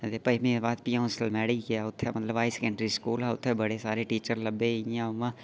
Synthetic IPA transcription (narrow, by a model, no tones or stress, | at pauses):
d̪epɐimĩebaːd̪̚pijãʊ̃səlmɛːɽikeaʊt̪ʰːɛmɐt̪ləbaːisɛ̥kə̃ɳɖɾiskuːlɦɛʊt̪ʰːɛbɐɽesaːɾeʈiːt͡ʃəɾlɐbːeiãʋã